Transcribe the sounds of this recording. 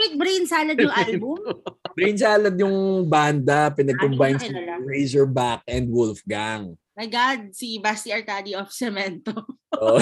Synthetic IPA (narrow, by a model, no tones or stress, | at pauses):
ɪt̪̚bɾejnsaːlɐd̪jʊŋʔajbubɾejnsaːlɐd̪jʊŋband̪ɐpɪnɐɡ̚kɔmbajnsiɹejzɛɹbak̚ʔɛnd̪̚wʊlfɡaŋ | mɐjɡad̪̚sibast̪iɐɹt̪ad̪iʔɔfsɛmɛnt̪oʔo